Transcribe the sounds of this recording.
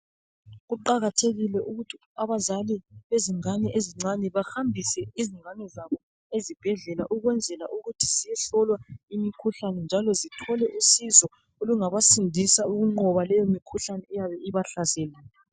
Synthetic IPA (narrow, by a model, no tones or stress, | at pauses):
ɣuǃaɣatʰeɣilɛuɣutʰi | aβazaliβeziŋanɛʔeziŋ͡ǀanɛβahambʱisɛiziŋanɛzaβɔ | ezib̥ʱɛɮɛlaʔuɣwɛnd͡zʱɛlaʔuɣutʰi̥zijɛɬɔlwaimikʰuɬanɛnd͡ʒʱalɔzitʰɔlɛʔusizɔ | oluŋaβasindʱisauɣuŋ͡ǃɔβalɛjomikʰuɬanɛɛjaβɛiβaɬasɛlɛːlɛ